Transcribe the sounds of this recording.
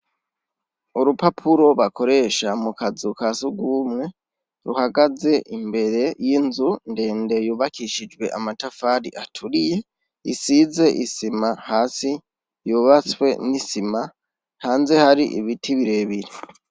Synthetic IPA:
uɾupapʰuɾo̞βakʰo̞ɾe̞ʃamukʰazukasuɡwuːmŋe̞ | ɾuhaɡaze̞ʔimbe̞ɾe̞jinzunde̞ːnde̞juːβakiʃid͡ʒwe̞ʔamatafaːɾḭʔatʰuɾije̞ | isize̞ʔisimahaːsi | juβat͡swe̞nisima | haːnze̞haɾiʔḭβitʰiβiɾe̞ːβiɾe

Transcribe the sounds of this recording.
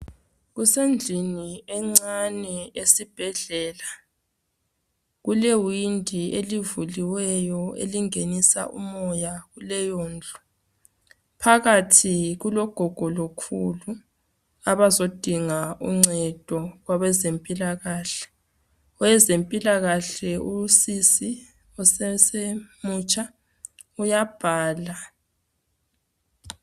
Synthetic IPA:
ɣusend͡ɮʱiniɛŋ͡ǀanɛesib̥ʱɛɮɛːla | ɣulewindʱielivuliwɛjɔḛliŋenisa̰ʔṵmɔjaɣulɛjɔːnd͡ɮʱɔ̥ | pʰaɣatʰiɣulɔɡ̥ʱɔɡ̥ʱɔlokʰulu | aβazod̥ʱiŋauŋ͡ǀɛd̥ʱɔɣwaβɛzempʼilaɣaːɬɛ̥ | wɛzempʼilaɣaɬɛusisi | ɔsɛsemut͡ʃʼa | ujab̥ʱaːla

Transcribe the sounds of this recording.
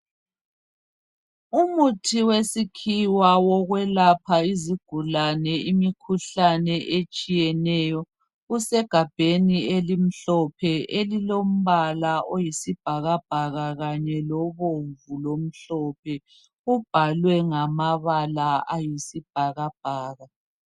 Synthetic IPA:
umutʰiwesikʰiwawɔɣwɛlapʰaiziɡ̥ʱulanɛimikʰuɬanɛʔet͡ʃʼijɛnɛjɔ | usɛɡ̥ʱab̥ʱenielim̩ɬɔpʰɛʔelilom̩βalaʔojisib̥ʱaɣab̥ʱaɣaɣaɲɛlɔβoɱvulom̩ɬɔpʰɛ | ub̥ʱalwɛŋamaβalaajisib̥ʱaɣab̥ʱaːɣa

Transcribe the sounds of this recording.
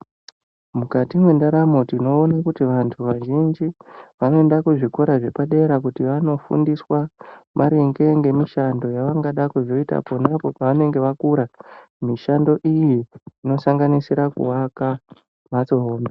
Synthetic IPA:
mukatimwendaɾamotino̞ːnakutiʋantʰuʋaʒind͡ʒiʋano̞endakuʐikoɾaʐe̞paɗe̞ɾakutiʋano̞fṵndiswamʔaɾeŋɡe̞ŋɡe̞miʃando̞jaʋaŋɡaɗakuʐo̞ita̰ponapo̞paʋane̞ŋɡe̞ʋakuɾa | miʃando̞ʔijiːno̞saŋɡanisiɾakṵwaka | mat͡so̞ɦoːmbe

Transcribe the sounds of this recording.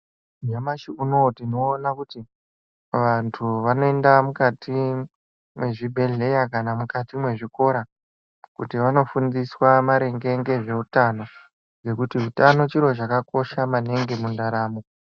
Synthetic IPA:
d͡ʒamaʃiuno̞tino̞ːnakuti | ʋantʰuʋano̞e̞ndamukatʰi | mwe̞ʐibʱe̞ɮe̞jakanamukatimwe̞ʐiko̞ɾa | kutiʋano̞fundiswamaɾe̞ŋɡe̞ŋɡe̞ʐe̞utano̞ | ɡe̞kutiɦutano̞t͡ʃiɾo̞t͡ʃakako̞ʃamane̞ŋɡe̞mundaɾaːmo

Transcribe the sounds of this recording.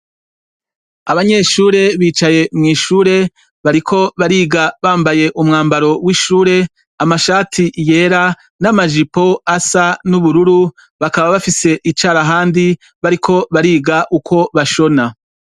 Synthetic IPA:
aβaɲe̞ʃuːɾe̞βiːt͡ʃaje̞mŋiːʃuːɾe̞ | βaɾikʰo̞βaɾiːɡaβaːmbaje̞ʔumŋaːmbaɾo̞wiːʃuːɾe̞ | amaʃaːtʰije̞ːɾa | namaʒipo̞asanuβuɾuɾu | βakaβaβafise̞ʔit͡ʃaːɾaɦaːndi | βaɾikʰo̞βaɾiːɡaʔukʰo̞βaʃo̞na

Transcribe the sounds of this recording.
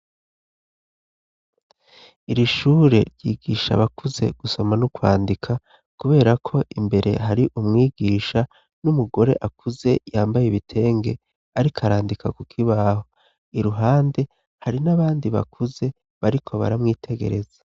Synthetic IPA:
iɾiʃuːɾe̞̰ɾɟiːɡiːʃa̰βakuze̞̰ɡ̥uso̞manukwa̰ːndikʰa | kuβe̞ːɾakʰo̞ʔimbe̞ɾe̞̰ɦaɾiʔumŋiːɡiːʃa | numuɡo̞ɾe̞̰ʔakuze̞jaːmbajeβitʰe̞ːŋɡe̞ | aɾikʰaɾaːndikʰakukʰiβaːho | iɾuɦaːnde̞ | haɾinaβaːndiβa̰kʰuze̞ | βaɾikʰo̞βa̰ɾamŋiːtʰe̞ɡe̞̰ɾe̞z̥a

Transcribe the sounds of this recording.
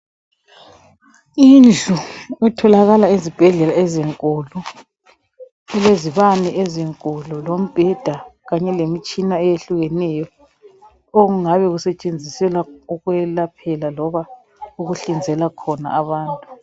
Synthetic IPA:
ind͡ɮuɛtʰɔlaɣalaizib̥ʱɛɮɛlaɛziŋkʼulɔ | ɛleziβanɛʔɛziŋkʼɔlɔlom̩b̥ʱɛd̥ʱaɣaɲɛlemit͡ʃʼinaɛjeɬuɣɛnɛjɔ | oɣuŋaβɛɣusɛt͡ʃʼend͡zʱisɛlauɣwɛlapʰɛlalɔβa | uɣuɬind͡zʱɛlakʰɔna̰ːβaːntʼu

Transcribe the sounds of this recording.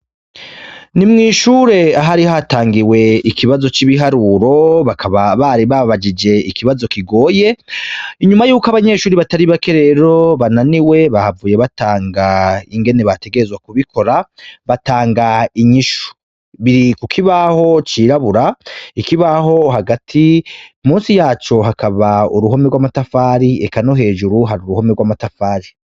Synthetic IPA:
nimŋiːʃuːɾe̞aɦaɾihaːtaːŋɡiwe̞ikʰiβazo̞t͡ʃiβiɦaɾuːɾo̞βakʰaβaβaɾiβaββad͡ʒid͡ʒe̞ikʰiβazo̞kiɡo̞ːje̞iɲumajuːkaβaɲe̞ːʃuːɾiβataɾiβake̞ɾe̞ɾo̞βananiwe̞βahavuːje̞βataːŋɡaiŋɡe̞ne̞βate̞ɡe̞ɾezɡwakuβikʰo̞ɾaβataːŋɡaiɲiʃu̥ | βiɾikukʰiβaho̞t͡ʃiːɾaβuɾaikiβaɦo̞ɦaɡatʰimuːnsijaːt͡ʃo̞ɦakʰaβauɾuɦo̞meɡwamatafaːɾiekano̞ɦe̞ːʒuɾuɦaɾuɾuho̞meɡwamatafaːɾi

